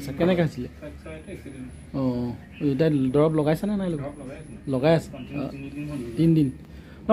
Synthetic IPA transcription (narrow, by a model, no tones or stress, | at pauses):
sakɛnɛkɛɦosilɛ | ɔ̃ | etadɔɹɔplɔɡajsananajloɡɔlɔɡajasɛ̥̰ | dindin | pa